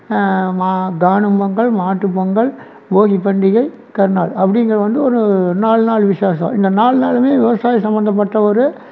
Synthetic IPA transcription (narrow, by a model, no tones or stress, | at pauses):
maːɡaːɳɯmbɐŋɡɐɭmaːʈːɯpːɐŋɡɐɭ | boːɣipɐɳɖɪɣɐɪ | kɐɾɯnaːɭɐpːɐɽɪŋɡɐɾɐʋɐnd̪ɯɔɾɯnaːɭnaːɭʋɪʂaːs̬ɐ̰̃ɪnd̪ɐnaːɭnaːlmeːʋɪʋɐsaːjɐsɐmbɐnd̪ɐp̬ːɐʈːɐɔɾɯ